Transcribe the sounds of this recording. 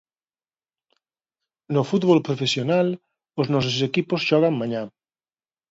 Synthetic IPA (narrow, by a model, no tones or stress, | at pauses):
nofut̪βolpɾofesjonal | oznɔs̬ossekiposʃɔɣ̞aŋmãɲa